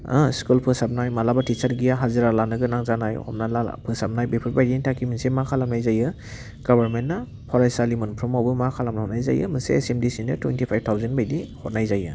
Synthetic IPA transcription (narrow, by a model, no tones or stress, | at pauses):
askulpʰɯsap̚najmalabatit͡ʃaɾɡijaɦazɯɾalanɯɡɯnaŋzanajhɔ̰p̚nala̰pʰɯsap̚najbepʰɯɾbajɾitʰakʰiminsemakʰalamnajzajɯ | ɡ̥ɔbaɾmentna | pʰɔɾajsalimɯnpʰɾumawbɯmakʰalamnahɔtnajza̰jɯ̰mɯsḛesemdisinɯtʰwḛntʰipʰajb̚tʰawzenbajdihɔtnajzajɯ̰